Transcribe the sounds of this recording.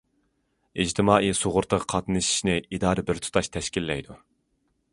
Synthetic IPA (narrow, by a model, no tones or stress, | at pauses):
id͡ʒt̪ʰɪmɑːʔijsoʁʊɾt̪ʰəʁqʰɑt̪nɨʃi̥ʃnɪid̪ɑːɾɨbɪɾt̪ʰu̥t̪ʰɑʃt̪ʰɛʃkʲilːɛjd̪u